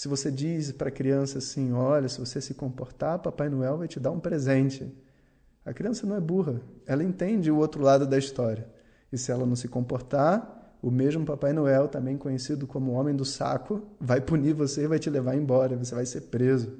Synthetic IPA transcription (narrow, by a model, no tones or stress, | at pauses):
sɪvosed͡ʒispɾɐkɾiɐ̃sɐːsĩɔʎɐsɪvosesɪkõmpoɾt̪apapajɪnoɛwvajt͡ʃɪd̪aɾũpɾezẽnt͡ʃɪ | ɐkɾiɐ̃sɐnɐ̃w̃ɛbuɦɐɛlɐẽnt̪ẽd͡ʒɪʊowt̪ɾʊlad̪ʊd̪ɐist̪ɔɾiɐ | ɪsɪɛlɐnɐ̃w̃sɪkõmpoɾt̪aʊmeʒmʊpapajɪnoɛwt̪ɐ̃bẽj̃kõɲesid̪ʊkõmʊõmẽj̃d̪ʊsa̰kʊvajpunivoseɪvajt͡ʃɪlevaɾẽbɔɾɐɪvos̬evajseɾpɾezʊ